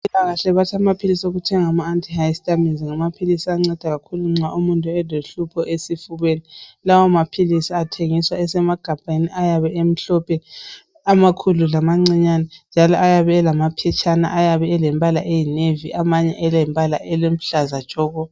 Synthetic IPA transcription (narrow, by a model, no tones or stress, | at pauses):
ilaɣaɬɛβatʰamapʰilisoɣutʰɛŋamaːntʰʼihajstʼaminziŋamapʰilisiaŋ͡ǀɛd̥ʱaɣakʰuluŋ͡ǀaʔumuntʼuɛloɬupʰɔʔesifuβenilawɔmapʰilisiatʰeŋiswaɛsɛmaɡ̥ʱampʼaniʔajaβɛʔem̩ɬɔpʰɛ | amakʰululamaŋ͡ǀiɲanɛnd͡ʒʱalɔʔajaβɛɛlamapʰɛt͡ʃʰʼana̰ʔajaβɛɛlɛmpʼalaʔejineviʔamaɲɛʔɛlɛmpʼala̰ʔɛlem̩ɬazad̥ʒ̥ʱɔːɣɔ